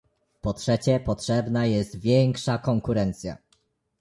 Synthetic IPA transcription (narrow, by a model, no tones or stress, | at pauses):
pɔtʂɛt͡ɕɛpɔtʂɛbnajɛst̪vʲjɛŋkʂakɔŋkuɾɛnt̪sʲja̰